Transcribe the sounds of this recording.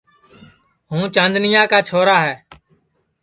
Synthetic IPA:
ɦũːt͡ʃə̃nd̪nɪjãːkaːt͡ʃʰoːɾaːɦɛː

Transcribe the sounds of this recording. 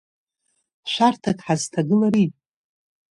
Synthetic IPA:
ʃʷartʰakʼħaztʰaɡɨlaɾi

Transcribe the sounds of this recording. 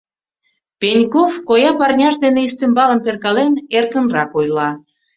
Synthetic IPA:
penʲkofkojɑpɑrnʲɑʃd̪eneiʃt̪ĕmbɑləmperkɑlenerkənrɑkojlɑ

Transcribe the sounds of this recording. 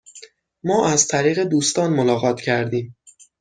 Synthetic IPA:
mɒːʔæzt̪ʰæɾiːɣe̞d̪uːst̪ɒːnmolɒːɣɒːt̪ʰcʰæɾd̪iːm

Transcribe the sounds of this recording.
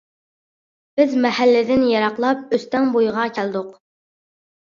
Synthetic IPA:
b̥ɪzmɛhælːɪd̪ɪnjɑɾɑqlˠɑp̚øst̪ɛŋbojʁɑkʲʰæld̪ʊq

